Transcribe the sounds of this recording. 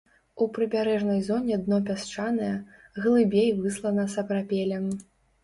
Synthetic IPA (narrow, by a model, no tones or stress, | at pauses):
upɾɨbʲaɾɛʐnɐjzɔnʲɛd̪nɔp̬ʲast͡ʂanɨjɐɣlˠɨbʲejvɨslˠɐnɐsɐpɾapʲɛlʲɛm